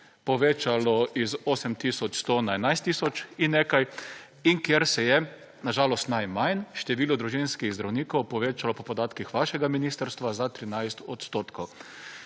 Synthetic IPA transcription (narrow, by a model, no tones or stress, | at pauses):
pɔʋet͡ʃalɔʔizoːsɛmt̪isɔt͡ʃst̪onaɛnajst̪ːisɔt͡ʃinːeːkaj | iŋkjeɾsɛjɛ | naʒaːlɔst̪najmajnʃt̪ɛʋiːlɔd̪ɾuʒinskiɣzd̪ɾawniːkɔwpɔʋeːt͡ʃalɔpɔpɔd̪aːt̪kixʋaʃɛɡaminist̪əɾst̪ʋazat̪ɾinajst̪ɔt̪st̪oːt̪kʰow